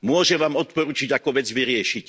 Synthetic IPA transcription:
mʊɔʒɛʋaːmɔt̪̚pɔɾuːt͡ʃiɟakɔʋɛd͡zʋiɾɪɛʃic

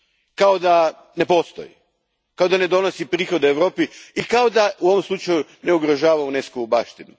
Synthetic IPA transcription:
kao̞d̪a | ne̞po̞st̪o̰jḭ | kao̞d̪ane̞d̪o̞nosipɾiːxo̞d̪eʋɾo̞ːpiikao̞d̪auo̞ʋomslˠut͡ʃajune̞uɡɾoʒaːʋauneskoubaːʃt̪inu

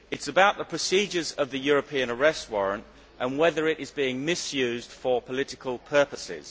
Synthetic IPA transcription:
ɪtsəbaʊʔðəpʰɹ̥əsiːd͡ʒəzəvðəjɔːɹəpʰĩə̃nəɹɛst̚wɒɹə̃nt | ʔə̃nwɛðəɹɪɾɪzbiɪ̃ŋmɪsjʉːzd̥fəpʰəlɪtɪkʰəlˠpʰɜˑpəsɪ̰z̥

